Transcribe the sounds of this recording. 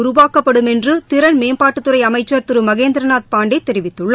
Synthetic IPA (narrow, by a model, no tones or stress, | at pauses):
ʊɾʊʋaːkːɐpːɐɽɯmɛndrɯt̪ɪɾɐnmeːmpaːʈːɯt̪ːɯɾɐɪɐmɐɪt͡ʃːɐɾt̪ɯɾɯmɐɣeːnd̪ɪɾɐnaːt̪̚paːɳɖeɪt̪ːɛɾɪʋɪt̪ːɯɭːɐ